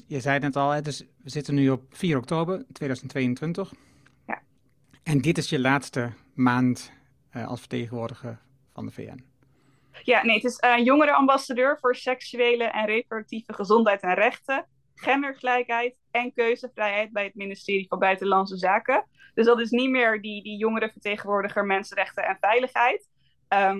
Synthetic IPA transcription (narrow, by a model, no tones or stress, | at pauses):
jəzɛjtnɛtɑlˠɛtɪsʋəzɪtənːyɔp̚fiːɾɔk̚toːbəɹtʋeːjdœzəntːʋejəntʋɪntəχ | ja̰ | ɛndɪtɪsjəlaːtstə | maːnt | ɑ̰lˠsfə̥ɹteχənʋʊːɹdəχəɹ | vɑ̰ndəvḛːɛ̰n | jaːnejətɪsnjʊŋəɾəɑmbɑsadøːɹv̥ʊːɹsɛksyejləʔɛnrejprodək̚tivəχəzɔntɦɛjtɛnrɛχtə | χɛməɹχəlɛjkɦɛjt | ɛnkøɥzəvrɛjɦɛjt̚bɛjɦət̚mɪnɪstɪːɾivɑnbœɥtəlɑnsəzaːkə | d̥ɵszdɑtɪs̬nitmɪːɹdidijʊŋəɾəvəɹtejχənʋʊːɹdəχəɹmɛnsənrɛχtəɛnvɛjləχɦɛjt | əm